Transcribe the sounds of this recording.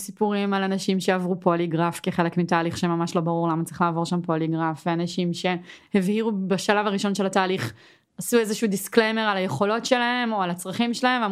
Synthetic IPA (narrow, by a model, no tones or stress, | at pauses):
sipuʁimalanaʃimʃeavʁupoliɡʁafkiχe̞le̞kmitaːliχʃemamaʃlo̞baʁuʁlamat͡sʁiχlaːvo̞ʁʃampoliɡʁafveanaʃimʃe̞hevhiʁubaʃalavaʁiʃo̞nʃelataːliχ | asuezeʃuːdisklejmeʁalajeχo̞lo̞tʃelaɦe̞mo̞alat͡sʁaχimʃelahe̞ma